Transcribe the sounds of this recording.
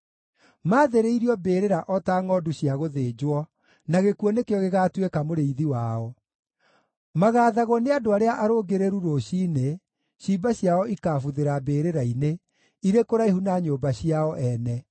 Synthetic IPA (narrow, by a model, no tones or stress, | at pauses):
maːðeɾeiɾiɔbeːɾeɾaʔɔtaːŋɔduɕiaɣoðeːd͡ʑwɔ | naɣekuɔnekeɔɣeɣaːtwekamoɾeiðiwaːɔ | maɣaːðaɣɔneadoaɾeaʔaɾoɡeɾeɾuɾoɕiːne | ɕibaɕiaɔikaːfuðeɾabeːɾeɾaine | iɾekoɾaehunaɲoːbaɕiaɔʔɛnɛ